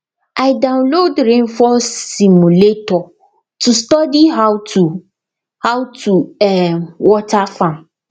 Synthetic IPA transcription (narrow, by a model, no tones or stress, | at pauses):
aɪdãwnlodɾẽnfɔsimuletɔ | tʰustɔdiɦawtu | hawtʰuɛwɔtʰafãm